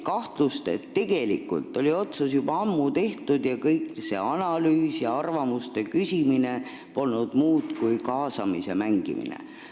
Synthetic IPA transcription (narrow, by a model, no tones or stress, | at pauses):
kɑht̪lust̪e̞̰t̪ːe̞ɡ̥e̞lḭkːˑṵlt̪ːˑo̞lʲio̞t̪susjub̥ɑɑmːut̪e̞ht̪ud̪jɑkɤjkse̞̰ɑnɑlyːsjɑɑrvɑmust̪e̞kysʲimine̞ | po̞lnud̪̥muːd̪kujkɑːsɑmise̞mæŋɡ̥ḭmḭnḛ